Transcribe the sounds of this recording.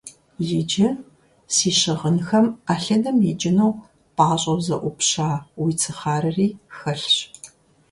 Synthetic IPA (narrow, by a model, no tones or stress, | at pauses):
jɪd͡ʒɐ | siːɕɪʁənxɐmaːɬɐdɐmjɛd͡ʒʼɪnow | pʼaːɕʼɐwzɐʔʷʊpɕaːwiːt͡sʰɨχaːɾɨriːxɐɬɕ